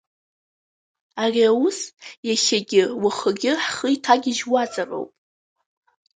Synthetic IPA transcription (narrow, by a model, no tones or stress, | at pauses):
ariawusjaʃaɡʲɪwaχəɡʲɪħχəitʰaɡʲɪʒwat͡sʼaro̰wpʼ